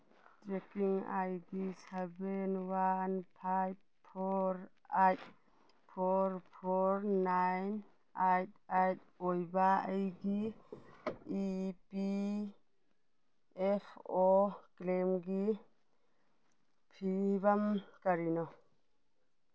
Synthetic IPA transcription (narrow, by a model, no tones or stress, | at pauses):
tɾɛkiŋa̰jɡisebɛnwanpʰajb̚ | pʰɔɾajt̚ | pʰɔɾpʰɔɾnajn | ajt̚ajt̚ | ɔjbaajɡi | ipi | ɛpʰɔklemɡi | pʰibamkaɾinɔ